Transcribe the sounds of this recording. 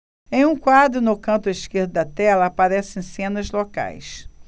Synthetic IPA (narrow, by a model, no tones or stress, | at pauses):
ẽj̃ũkwad̪ɾʊnʊkɐ̃nt̪ʊɪʃkeɾd̪ʊd̪ɐt̪ɛlɐːpaɾɛsẽj̃sẽnɐzloka̰js